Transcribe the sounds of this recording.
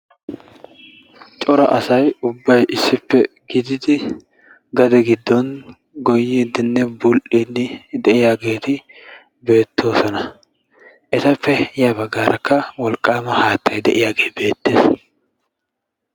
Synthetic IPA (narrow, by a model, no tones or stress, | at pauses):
t͡ʃʼɔɾɐ̰ʔɐsɐjʊbːɐjʔɪsːɪpːɛ | ɡɪd̪ɪd̪ɪ | ɡɐd̪ɛɡɪd̪ːɔn | ɡɔjːiːd̪ɪnːɛbʊlʔinːɪd̪ɛʔɪjaːɡe̞ːt̪ɪ | be̞ːt̪ːo̞ːsɔnɐ | ʔɛt̪ɐpːɛjabɐɡːaːɾʔɐkʰːɐwɔlkʼːaːmɐhaːt̪ʰːɐjd̪ɛʔɪjaːɡe̞ːbe̞ːt̪ːeːs